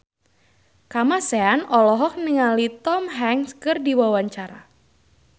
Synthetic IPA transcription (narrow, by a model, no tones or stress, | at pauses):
kamasɛanɔlɔɦɔk̚niŋalit̪ɔmɦɛŋskɨrdiwawaɲt͡ʃaɾa̰